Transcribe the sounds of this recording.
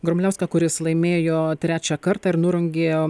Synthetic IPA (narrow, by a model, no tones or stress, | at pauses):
ɡɾomʲlʲɛʊsʲkʲɑkʊɾʲɪslˠɐɪmʲeːjoːt̪ʲɾʲæːt͡ʃʲækɐɾt̪ɑːɪɾnʊɾʊŋʲɡʲeː